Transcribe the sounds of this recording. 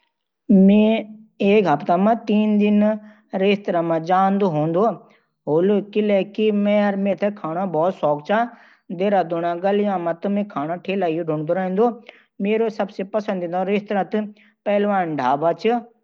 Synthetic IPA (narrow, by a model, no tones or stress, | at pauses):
mẽ | eːkɦɐpt̪amãt̪iːnd̪ɪn | ɾeːst̪ɾamãd͡ʒaːnd̪oɦõːnd̪oː | ɦoːlokileːkimẽɾmẽt̪ʰekʰaːɽ̃abɔːt̪sɔːkt͡ʃʰa | d̪eːɾad̪onãɡɐljãmãt̪ɨmẽkʰaːñaʈʰeːlaiɖʱʊɳd̪oɾaɦĩnd̪oː | meːɾosɐbsepɐsə̃nd̪ĩnd̪oɾeːst̪ɾat̪ɨ | pɐːlʋaːnɖʱaːbat͡ʃʰi